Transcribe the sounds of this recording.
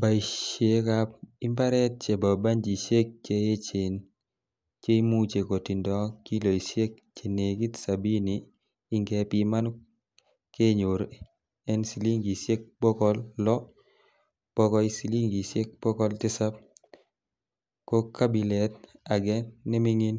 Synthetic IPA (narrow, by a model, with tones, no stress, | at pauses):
ba˨i˨ʃe˨kap̚i˦mba˦ɾɛ˦t̚t͡ʃe˨ba˨ba˦ɲd͡ʒi˨sje˦k̚t͡ʃe˦je˦t͡ʃe˨n | t͡ʃe˦i˦mu˦t͡ʃe˨ko˨ti˨ndɔ˦ki˦lo˨i˨se˦k̚ | t͡ʃe˨ne˨ki˦tsa˨bi˦niː˦ | ŋɡɛpi˦ma˦nu | ke˦ɲo˨ɾ | ɛ˦nsi˨li˦ŋɡi˨sje˦k̚po˦kɔ˦lːɔ˦ | pɔ˦kɔ˦i˦si˨li˦ŋɡi˨se˦k̚po˦kɔ˦ltɪ˦sa˦p̚ | ko˦ka˦bi˨lɛ˨t̚a˨ɡɛ˦nːɛ˦mi˦ŋi˦n